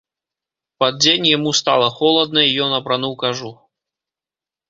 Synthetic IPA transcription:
pɐd̪̚d͡zʲenʲjamust̪a̰lˠɐxɔlˠɐd̪̚nɐijɔnɐpɾanuwkaʐu

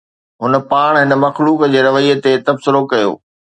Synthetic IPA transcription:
ɦʊnə̆paːɽ̃ɦɪnəmɐxluːkd͡ʑeːɾɐʋəiːət̪et̪ɐbsɪɾokɐjo̰ː

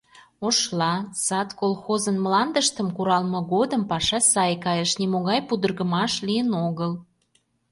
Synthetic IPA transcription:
oʃlɑsɑt̪kolxozənmlɑnd̪əʃt̪əmkuɾɑlmɤ̆ɣod̪əmpɑʃɑsɑjkɑjəʃnimoɣɑjpud̪ərɣə̆mɑʃlijənoɣəl

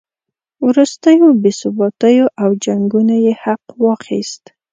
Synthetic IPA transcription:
wɾust̪əjobesʊbɑt̪əjoʔawd͡ʒaŋɡunajehaqwɑxḭst̪

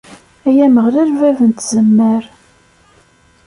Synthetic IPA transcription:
æjæməʁlæɾvævənt̪zəmːəɾ

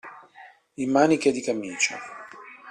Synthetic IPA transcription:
imːaːniked̪ikamiːt͡ʃa̰

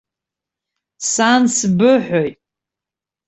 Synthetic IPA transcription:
sansbɨħʷojtʼ

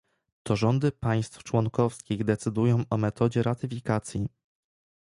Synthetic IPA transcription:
t̪ʰɔʐɔnd̪ɘpaj̃st̪ft͡ʂwɔŋkɔfskʲiɣd̪ɛt̪sɘd̪ujɔ̃w̃ʔɔmɛt̪ɔd͡ʑɛɾat̪ɘfʲikat̪sʲji

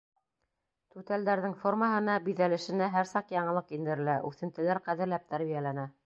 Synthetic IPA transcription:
t̪ʉt̪æld̪æɾðɘŋformaɦɤ̆nɑbiðælɘ̆ʃɘ̆næɦæɾsɑqjɑɴɤ̆lˠɤqind̪ɘ̆ɾɘ̆læʔʉθɘ̆nt̪ɘ̆læɾqæðɘ̆ɾlæp̚t̪æɾβijælænæ

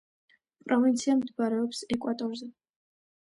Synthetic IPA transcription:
pʼɾɔvint̪sʰiamd̪ɡaɾɛɔpsɛkʷʼwat̪ʼɔɾzɛ

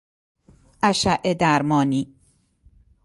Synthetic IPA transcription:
ʔæʃæʔed̪æɾmɒːniː

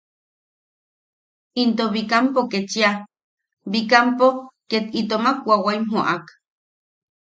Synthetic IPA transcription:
int̪oβikampoket͡ʃia | βikampoket̪it̪omak̚wawaimɦoʔak

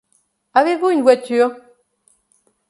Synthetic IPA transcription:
avevuinvwɛty

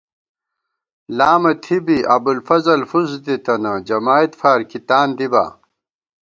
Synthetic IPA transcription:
laːmɐt̪ʰibiʔɐbulfɐzɐlfuzd̪it̪ɐnɐd͡ʑɐmaːit̪faːɾkit̪aːnd̪iba̰ː

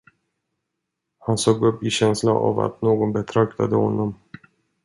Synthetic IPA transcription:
hansoːɡɵpːɪɕɛnslana̰va̰t̪noːɡɔnbɛt̪ʰɾœkt̪ʰad̪əhɔnːɔm

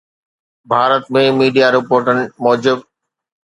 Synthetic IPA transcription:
bʱaːɾət̪mẽmiːɖijaɾɪpoːɾʈənɪ̆mɔːd͡ʑɪb̚

